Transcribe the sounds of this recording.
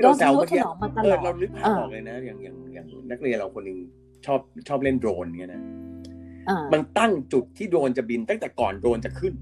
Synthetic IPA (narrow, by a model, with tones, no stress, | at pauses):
a˧wa˨ɔ˨˦a˧ɤː˨˩t̪̚ɾa˧wlɯ˦˥k̚aː˧ɔː˨˩k̚lɤː˧jna˦˥jaː˨˩ŋjaː˨˩ŋja̰ː˨˩ŋna˦˥k̚li˧ənɾa˧wkʰo˧nːɯ˧ŋ | t͡ɕʰɔː˥˩p̚t͡ɕʰɔː˥˩p̚le˥˩ndɾoː˧nni˦˥ɐna˦˥ | a˧˩ma˧nt̪a˥˩ŋt͡ɕu˨˩t̪ʰːiː˥˩doː˧nt͡ɕa˨˩bi˧nt̪a˥˩ŋt̪ɛː˨˩kɔː˨˩ndoː˧nt͡ɕa˨˩kʰɯ˥˩n